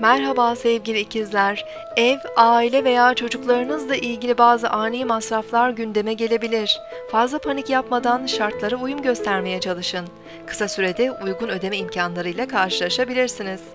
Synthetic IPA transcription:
mæɾɦabaːsevɟilʲiːcʰizlʲæɾ | ɛvaːilʲɛve̞jaːt͡ʃʰo̞d͡ʒuklˠaɾɯnɯzd̪aʔilʲɟilʲibaːzɯʔaːnejimasɾaflˠaɾɟynd̪e̞mɛɟe̞lʲe̞bilʲiɾ̥ | fazlˠapʰanicjapmad̪anʃaɾt̪lˠaɾɯujumɟø̞st̪ʰæɾme̞jɛt͡ʃʰalˠɯʃɯn | kʰɯ̥sasyɾe̞d̪ɛujɡunø̞d̪emɛimcʰanlˠaɾɯjlˠakʰaɾʃɯlˠaʃabilʲiɾsiniz̥

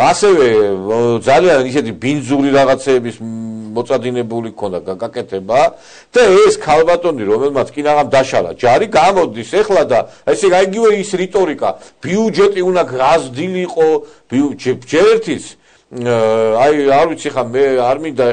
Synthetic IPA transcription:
asɛvɛd̪zalianisɛt̪ʰibind̪zuɾiɾaʁat̪sʰɛːbismɔt̪sʼad̪inɛbulikʰɔnd̪aɡakʼɛt̪ʰɛba | d̪̥aɛskʰalˠbat̪ʼɔniɾɔmɛlˠmat̪sʰkʼinaʁamd̪aʃala̰d͡ʒaɾiɡamɔd̪isɛχlad̪aɛsɛaiɡivɛisɾit̪ʼɔɾikʼa̰b̥iud͡ʒɛt̪ʼiunakʰʁazd̪iliːqʼɔb̥iud͡ʒɛd͡ʒɛɾɛɾt̪ʰit̪s | ajaɾwit̪sʰiɛχamɛaɾmind̪a

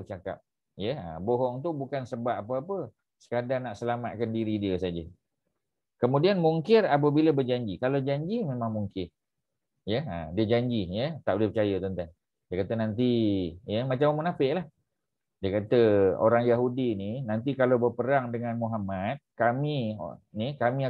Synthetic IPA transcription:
t͡ʃaka̰p̚ | jəə̰boɦɔŋt̪̬ubukansəbap̚apəapə | sə̥kadaŋnaʔsəlama̰t̪̚kandiɾidiəsad͡ʒə | kəmudianmuŋkɪrap̬əbiləbərd͡ʒaɲd͡ʒikalod͡ʒaɲd͡ʒimemaŋmuŋkɪr | jəə̰diəd͡ʒaɲd͡ʒijət̪aʔbulɪhpət͡ʃajət̪ənt̪aŋ | diəkat̪ənant̪ijəmat͡ʃammənafɪʔlah | diəkat̪əo̰ɾaŋjaɦudininant̪̬ikalobərpəɾaŋdəŋanmuɦamat̪̚kamḭnikamĩa

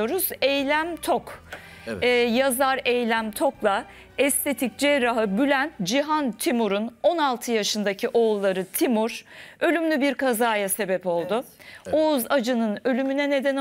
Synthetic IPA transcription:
oɾuz̥ɛjlʲæmt̪ʰokː | jazaɾɛjlʲæmt̪ʰo̞klˠa | ɛst̪ʰet̪ʰic̚d͡ʒɛɾaɦɯbylʲænt̪d͡ʒiɦant̪ʰimuɾuno̞nalˠt̪ʰɯjaʃɯnd̪acʰiʔo̞ːlˠːaɾɯt̪ʰimuɾ̥ø̞lʲymlʲybiɾkʰazaːjase̞bɛpo̞lˠd̪ʊouzad͡ʒɯnɯnø̞lʲymynɛne̞d̪ɛn

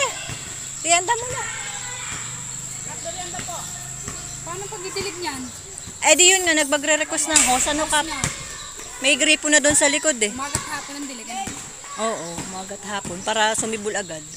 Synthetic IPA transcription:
t̪ɪhɐnd̪amonɐ | ɐd̪ɐd̪ɪɐnd̪ɐpoʔ | paɾɐnɐŋpɐɡ̚bibɪlɪɡ̚ɲan | ʔɐd̪ɪjʊnŋɐnɐɡ̚pɐɡɾɛɾɛkwɛsnɐɦosɐnoka | mɐjɡɾiːpʊnɐd̪ʊnsɐlɪkod̪ɛmaːɡɐt̪̚haːponɐŋd̪ɪlɪɡ | ʔoːʔoʊmaɡɐt̪̚haːponpaːɾɐsʊmɪbʊlʔɐɡad̪̚

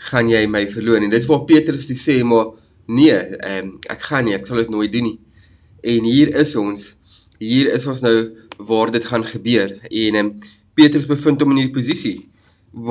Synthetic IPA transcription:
χɐnjɛjməjfərluənidətəsvɑːrpiətɾəsdiseːmɐ | niəəmæ̰kχɐniæksɐlˠdətnoəjt̚duni | ɛnɦiːɾəsɔns | ɦiːɾəsɔnsnœwvɑːrdətχɐnχəbyərɛnəm | piətɾəsbəfəntɔməniɾipuzisi

